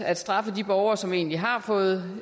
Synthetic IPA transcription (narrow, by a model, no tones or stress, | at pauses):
æd̥sd̥ʁɑ̈fəd̥ib̥ɒʊɐːsɒ̽me̝̰ːnliɦɑ̈fɔ̽ːð̞̩ˠ